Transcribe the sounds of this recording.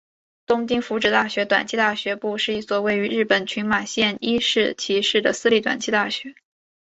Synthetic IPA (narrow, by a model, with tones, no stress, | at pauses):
t̪ʊ˥ŋt͡ɕi˥ŋfu˧˥ʈ͡ʂɻ̩˨˩t̪a˥˩ɕɥɛ˧˥t̪wa̰˨˩nt͡ɕʰi˥˧t̪a˥˩ɕɥɛ˧˥pu˥˧ʂɻ̩˥˧i˥˩swɔ˧˥we˥˩ɪy˧˥ɻɻ̩˥˩pə˨˩nt͡ɕʰy˧˥nma˨˩ɕjɛ˥˧ni˥ʂɻ̩˥˩t͡ɕʰi˧˥ʂɻ̩˥˩d̪ə˩sɹ̩˥li˧˩t̪wa̰˨˩nt͡ɕʰi˥t̪a˥˩ɕɥɛ˧˥